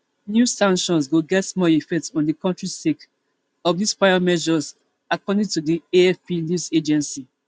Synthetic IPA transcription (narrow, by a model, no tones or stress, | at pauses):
njusãŋkʃɔ̃ns̬ɡoɡɛtmɔifɛk̚tɔ̃ndikɔ̃ntɹistek | ɔfdisfaɪamɛʒɔz | akɔdĩŋtudieɛfpinjused͡ʒɛ̃nsi